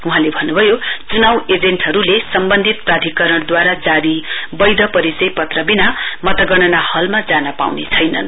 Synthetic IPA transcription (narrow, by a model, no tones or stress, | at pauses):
uɦãlebʱʌnːubʱʌjot͡sunawed͡zeɳʈɦʌɾulesʌmbʌnd̪ʱit̪̚prad̪ʱikʌɾʌɽd̪waɾad͡zaɾibʌjd̪ʱʌpʌɾisʌjpʌt̪rʌbinamʌt̪ʌɡʌɽʌnahʌlmad͡zanʌpa̰wnḛt͡sʰʌjnʌ̰n